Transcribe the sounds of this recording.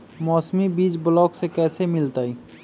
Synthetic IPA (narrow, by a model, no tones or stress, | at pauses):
mɔːsmibiːt͡ʃbʊlɔːksekɛːsemɪlt̪aːi